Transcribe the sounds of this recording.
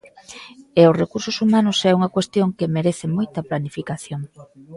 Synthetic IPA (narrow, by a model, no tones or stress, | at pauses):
eʊsrekuɾsʊsumanʊsɛuŋɐkwest̪joŋkemeɾeθɪmojt̪ɐplanifikaθjoŋ